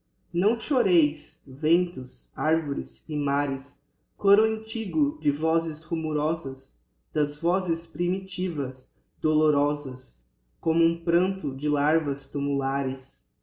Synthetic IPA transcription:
nɐ̃w̃ʃoɾejsvẽnt̪ʊsaɾvoɾɪsɪmaɾɪs | koɾʊẽt͡ʃiɡʊd͡ʒɪvɔzɪzhumuɾɔzɐz | d̪̥ɐzvɔzɪspɾimit͡ʃivɐz | d̪oloɾɔzɐs | kõmʊũpɾɐ̃nt̪ʊd͡ʒɪlaɾvɐst̪umulaɾɪs

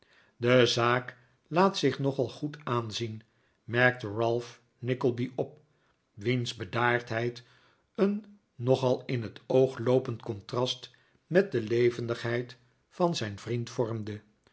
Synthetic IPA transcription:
dəzaːk | laːtsɪχnɔχɑlˠχutaːnzin | mɛɹk̚təɹɑlˠf | nɪkəlˠbiʔɔp̚ | ʋinzbədaːɹtɦɛjt | ənː | ɔχɑlˠɪnɦətowχlowpəntkɔntrɑst | mɛt̚dəlejvəndəχɦɛjt | fɑnzɛjnvrintfɔɹmdə

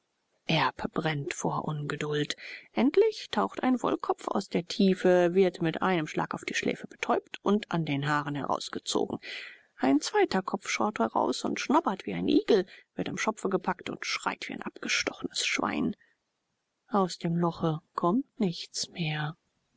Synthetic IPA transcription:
ʔɛɐpb̥ʁɛntfo̰ːɐʔʊnɡədʊltʔɛntlɪçtʰaʊxta̰ɪnvɔ̰lkʰɔpp͡fa̰ʊsd̥eːɐtʰiːfəvɪɐtmɪtʔa̰ɪnəmʃla̰ːkaʊfd̥iːʃlɛ̰ːfəb̥ə̥tʰɔʏptʰʊnta̰ndeːnɦaːʁənhɛ̰ʁa̰ʊsɡ̥ət͡so̰ːɡŋ̩ | ʔaɪnt͡sv̥aɪtɐkʰɔp͡ffʃaʊthɛʁa̰ʊsʊ̰ntʃnɔpɐtv̥ḭːaɪnʔiːɡl̩vɪɐtamʃɔpp͡fəɡəpʰaktʊ̰ntʃʁ̥a̰ɪtv̥iːa̰ɪnʔapɡ̥əʃtɔχənəsʃv̥a̰ɪn | ʔaʊsd̥eːmlɔχəkʰɔmtnɪçtt͡smeːɐ

